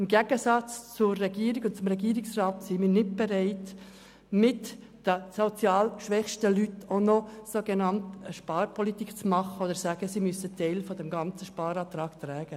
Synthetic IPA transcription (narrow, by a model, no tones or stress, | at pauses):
ɪmɡɛɡ̥əsɑt͡st͡sʊɾːɛɡiːɾikʊntt͡sʊmɾɛɡiːɾɪksrɑːt̪simiːɾnɪt̚b̥eɾaɪt | mɪt | d̥əsot͡sjɑːlʃʋɛχʃtəlytonosoɡenɑntəʃpɑːɾpʰɔlit̪iːkt͡smɑχəod̪əɾsæːɡ̥əsimysətʰɛɪlfɔd̪ɛmɡɑnt͡səʃpɑːɾɑːt̪ɾɑːktɾɛːɡ̥ə